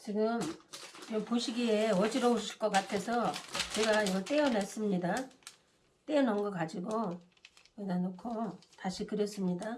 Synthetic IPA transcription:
t͡ɕiɡɯm | ʌmpoɕʰiɡieʌd͡ʑiɾʌoɕʰiɕʰiɭk͈ʌk͈atʰe̞sʰʌt͡ɕe̞ɡaiɡʌɭt͈e̞jʌnas͈ɯmɲida | t͈eʌnʌŋɡʌkad͡ʑiɡo | wenandokʰotaɕʰikɯɾjʌs͈ɯmɲida

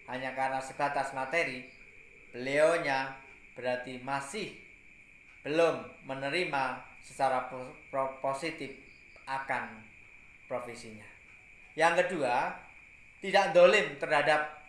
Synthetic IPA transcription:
haɲakaɾənasəb̥at̪asmat̪eɾi | b̥əleoɲa | b̥əɾart̪imasɪh | b̥əlʊmːənəɾimasət͡ʃaɾa | posit̪ɪp | ʔakan | pɾofesiɲa | jaŋkədua | t̪idaʔnd̪olɪmt̪ərɦadap̚

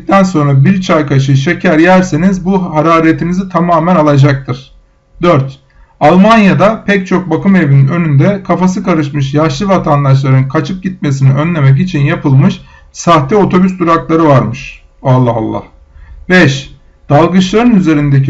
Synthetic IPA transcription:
t̪ʰænso̞nɾabiɾt͡ʃʰajkʰaʃ̬ɯʃe̞cʰæɾjæɾsinizbuɦaɾaːɾet̪ʰinizit̪ʰamaːmænalˠad͡ʒak̚t̪ʰɯɾ̥ | d̪øɾt̪ | alˠmanjad̪apʰɛc̚t͡ʃʰo̞k̚bakɯme̞vinnø̞nynd̪ɛkʰafas̬ɯkaɾɯʃmɯʃjaʃlˠɯvat̪ʰand̪aʃ̬lˠaɾɯnkʰat͡ʃʰɯp̚ɟit̪̚me̞siniø̞nlʲe̞mɛc̬it͡ʃʰinjapʰɯlˠmɯʃ | saht̪ɛo̞t̪ʰo̞byst̪ʰuɾaklˠaɾɯvaɾmɯʃ | alˠːaɦalˠːa̰h | bɛʃ | d̪̥alˠɡɯt͡ʃlˠaɾɯnyze̞ɾind̪eci

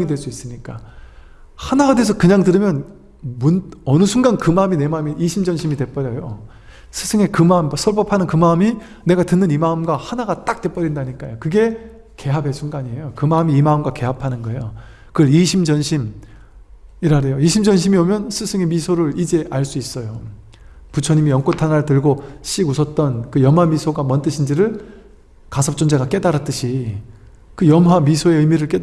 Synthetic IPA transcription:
ŋidwe̞ɭs͈uis͈ɯmɲik͈a | hanaɡadees̬ʰʌkɯɲaŋdɯɾɯmjʌn | munʌnɯsʰuŋɡankɯmaɯmine̞maɯmiːɕʰimd͡ʑʌnɕʰimidwe̞p͈ʌɾjʌjo | sʰɯsʰɯŋe̞kɯmaɯmsʰʌɭpʌpʰanɯnkɯmaɯmi | ne̞ɡatɯnːɯnimaɯmɡwahanaɡat͈ak̚t͈e̞p͈ʌɾindaɲik͈ajokɯɡe̞ | ke̞ɦabe̞sʰuŋɡaɲie̞jokɯmaɯmiːmaɯmɡwake̞ɦapʰanɯnɡʌe̞jo | kɯʌɭiɕʰimd͡ʑʌnɕʰim | iɾaɾe̞joiɕʰimd͡ʑʌnɕ̬ʰimiomjʌnsʰɯsʰɯŋemisʰoɾɯɭid͡ʑe̞ʔaɭs͈uis͈ʌjo | put͡ɕʰʌɲimijʌŋk͈otʰanatɯɭɡoɕ͈ʰiɡusʰʌt̚t͈ʌnkɯjʌmɦwamisʰoɡamʌnt͈ɯɕʰind͡ʑiɾɯɭ | kasʰʌp̚t͡ɕ͈ond͡ʑaɡak͈e̞daɾat͈ɯɕʰi | kɯjʌmɦamisʰoe̞ɯjmiɾɯɭk͈e̞

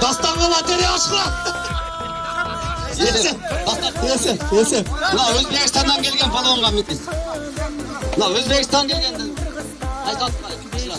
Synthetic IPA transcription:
d̪̥ɑst̪ɑɴʁɑlˠɑt̪eɾeɑʃqlˠɑ | ee | eseesebənɑɵzbe̞kɪst̪ɑnd̪ɑŋkʲʰe̞lɡʲe̞npʰɑlˠooɴʁɑmet̪es | bnɑwɵzbe̞kɪst̪ɑŋkʲʰe̞lɡʲe̞nd̪ɪ | ɑlq̪ɑt̪ɑk̪ʰʃlˠɑ

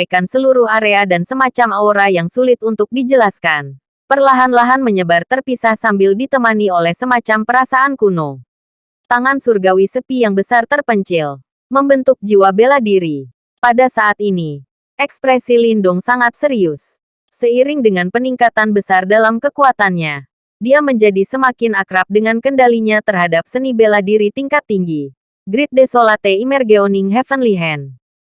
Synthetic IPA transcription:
kansəluɾuhaɾeadansəmat͡ʃamaoɾajaŋsulɪt̪̚unt̪ʊk̚did͡ʒəlaskan | pərlaɦanlaɦanməɲəbart̪ərpisahsambɪldit̪əmaniolɛhsəmat͡ʃampəɾasaʔankuno | t̪aŋansurɡawisəpijaŋbəsart̪ərpəɲt͡ʃɪl | məmbənt̪ʊk̚d͡ʒiwabeladiɾi | padasaʔat̪̚ini | ʔɛkspɾɛsilindʊŋsaŋat̪̚səɾiʊs | səiɾɪŋdəŋanpəniŋkat̪anbəsardalamkəkuat̪anɲa | diaməɲd͡ʒadisəmakɪnakɾap̚dəŋankəndaliɲat̪ərɦadap̚sənibeladiɾit̪iŋkat̪ːiŋɡi | ɡɾit̪̚desolat̪eimɛrɡeoniŋɦɛfənliɦɛn

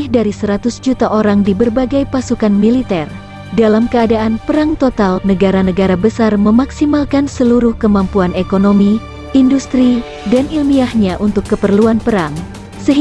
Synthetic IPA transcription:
ihdaɾisəɾat̪ʊsd͡ʒut̪aʔoɾaŋdibərbaɡajpasukanmilit̪ɛr | dalamkəadaʔanpəɾaŋt̪ot̪alnəɡaɾanəɡaɾabəsarməmaksimalkansəluɾʊhkəmampuanekonomi | indust̪ɾi | danilmiahɲaʔunt̪ʊkːəpərluanpəɾaŋ | səɦi

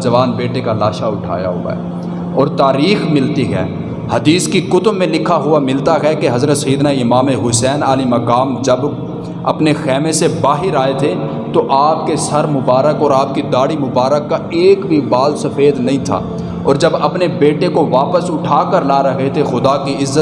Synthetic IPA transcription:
d͡ʒɐʋaːnbeːʈekalaːʃaʊʈʰa̰ːja̰ɦʊ̰a̰ɦɛ̰ː | ɔːɾt̪aːɾiːxmɪlt̪iɦɛ̰ː | hɐd̪iːskikʊt̪mːẽlɪkʰːaɦʊamɪlt̪aɦɛkeɦɐzɾət̪sɐiːd̪naɪmaːmeɦʊsɛːnaːlimɐkaːmd͡ʒɐb | ɐpnexɛːmesebaːɦɪɾaːet̪ʰe | t̪oʔaːp̚kesɐɾmʊbaːɾəkɔːɾaːp̚kid̪aːɽimʊbaːɾəkːaeːkbʱibaːlsɐfeːd̪nɐɦĩt̪ʰa̰ː | ɔ̰ːɾd͡ʒɐbɐpnebeːʈekoʋaːpəsʊʈʰaːkəɾlaːɾɐɦet̪ʰexʊd̪akiɪzːət̪

